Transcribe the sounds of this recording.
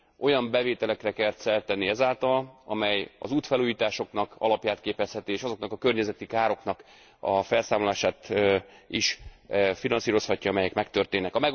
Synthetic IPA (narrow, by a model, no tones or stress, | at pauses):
o̞jɒmbɛveːt̪ɛlɛkrɛkɛrt̪sɛlt̪ɛnːiɛzaːlt̪ɒlɒmɛjɒ̰zuːt̪fɛluːjiːt̪aːʃo̞knɒkɒ̰lɒpjaːt̪keːpɛshɛt̪ieːʃɒzo̞knɒkɒkø̞rɲɛzɛt̪ikaːɾo̞knɒk | ɒfɛlsaːmolaːʃaːt̪ | iʃfinɒnsiːɾo̞shɒcːɒɒmɛjɛkmɛkt̪ørt̪eːnːɛkɒmɛ